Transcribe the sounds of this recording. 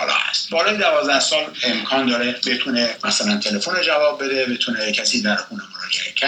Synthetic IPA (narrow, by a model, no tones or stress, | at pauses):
ɒːlɒ̰ːhæ̰st̪bɒːlɒːjed̪ævɒːzd̪æhsɒːlemkʰɒːnd̪ɒːɾebe̞t̪ʰunemæsælænt̪ʰe̞le̞foned͡ʒævɒːb̚ːe̞d̪ebe̞t̪ʰunecʰæsiːd̪æɾxuːnemoɾɒːd͡ʒḛʔecʰæ